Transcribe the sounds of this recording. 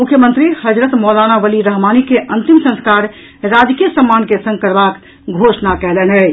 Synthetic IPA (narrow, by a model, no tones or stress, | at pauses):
mukʰjəmənt̪ɾihəd͡ʒɾət̪mɔlanabəliɾəɦmanikeʔənt̪imsə̃nskaɾ | ɾad͡ʒ̪kijəsəmːankesə̃ŋɡkəɾbak | ɡʱosnakɛlɛnə